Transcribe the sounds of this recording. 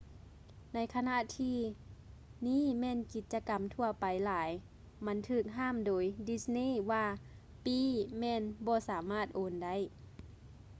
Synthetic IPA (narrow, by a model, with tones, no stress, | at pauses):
na˧˥jkʰa˧na˧˨ʔt̪ʰiː˧ | niː˧˥˨mɛː˧˨nki˨˧˦t̪̚t͡ɕa˧ka˨mt̪ʰu˧ɐpa˨jlaː˨˩˦j | ma˧˥nt̪ʰɯː˧˩k̚ɦaː˧˥˨mdoː˨˦jdi˧˥sniː˧˥˨ʋaː˧ | piː˧˩mɛː˧˨nbɔː˧˦saː˨˦maː˧˥˩t̪̚ʔoː˨˦nda˧˥˨j